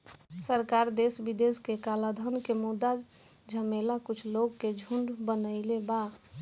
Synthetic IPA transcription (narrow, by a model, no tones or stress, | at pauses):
səɾkaɾd̪esbid̪eskekalad̪ʱənkemud̪a | d͡ʒʱəmelakʊt͡ʃʰloɡked͡ʒʱuɳɖbənəɪlebaɡ